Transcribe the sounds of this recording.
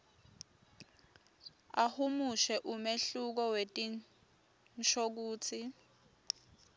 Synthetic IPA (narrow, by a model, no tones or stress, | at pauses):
ahumuʃɛʔumeɬuk̬ɔwetʼi | nʃʰok̬uːt͡sʰi